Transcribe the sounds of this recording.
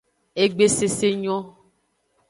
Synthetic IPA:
e˨ɡ͡be˦se˨se˦ɲɔ̃˦

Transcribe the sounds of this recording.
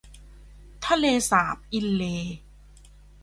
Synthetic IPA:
t̪ʰa˧leː˧saː˩˦p̚ʔi˧nleː˧

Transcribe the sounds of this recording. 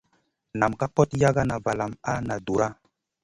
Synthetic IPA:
na˨mka˦kɔ˦tja˦ɡa˦na˨va˨la˨ma˦na˨du˨ɾa˦

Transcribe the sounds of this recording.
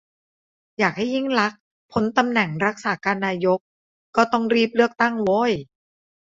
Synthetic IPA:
jaː˨˩k̚ha˥˩jːi˥˩ŋla˦˥k̚ | pʰo˨˦nt̪a˧mnɛ˨˩ŋɾa˦˥k̚saː˩˦kaː˧nːaː˧jo˦˥k̚ | kːɔː˥˩t̪ɔ˥˩ŋɾiː˥˩p̚lɯ˥˩ək̚t̪a˥˩ŋwoː˦˧˥j

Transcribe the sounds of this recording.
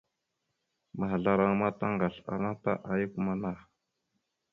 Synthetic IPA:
ma˨ɦɮa˨ɾa˦ŋma˦ta˦ŋɡa˨ɬa̰˨na˦ta̰˦ʔa˨ju˦ku˦ma˨na˦

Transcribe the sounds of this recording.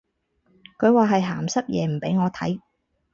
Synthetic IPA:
kʰɵ˨˧ɥwaː˨˧ɦɐ˨jɦaː˨˩msɐ˥t̚jɛ̰ː˨˧m̩˨˩pe˨˥jŋɔː˨˧t̪ʰɐ̰˨˥j

